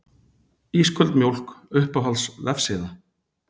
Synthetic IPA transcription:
iːskʰœlt̪mjowl̥kʏhpaɦalsvɛfsɪːða

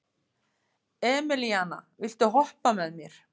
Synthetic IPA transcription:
ɛːmɪliaːna̰vɪl̥t̪ʏɦɔhpamɛðmjɛɾ̥

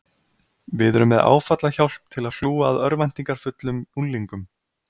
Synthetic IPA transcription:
vɪðʏɾʏmːɛða̰ːwfat̪laçawl̥p̚t̪ʰːɪlaðθuːaːðœɾvajn̥t̪iŋkaɾ̥fʏt̪lʏmunliŋkʏm

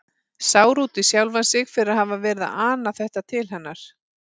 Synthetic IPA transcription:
saːwɾuːt̪ɪsjawlvansɪɣfɪɾɪɾaðhavavɛːɾɪða̰ʔaːnaθɛht̪at̪ʰɪlɦɛnːaɾ̥

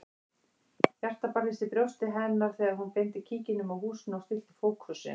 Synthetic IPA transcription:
jar̥t̪apaɾɪsɪpɾjowst̪ɪɦɛnaɾ̥θɛːɣaɾɦhunpejnt̪ɪcʰiːcɪnʏmawhuːsnawst̪ɪlt̪ɪfoːwkʏsɪ̰

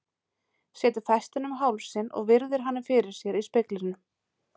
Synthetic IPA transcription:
sjɛːt̪ʏɾ̥θajst̪ɪnʏmɦawlsːɪnɔ̰ɣvɪɾðɪɾ̥ɦanːɪfɪːɾɪɾ̥sjɛɾispɪklɪɾnʏ

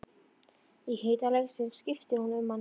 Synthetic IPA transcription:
ihejt̪alɛɣsɪnscɪft̪ɪhunʏmːan

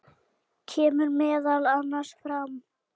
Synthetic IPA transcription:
cʰɛːmʏɾmɛːðalanːaɾsfɾam

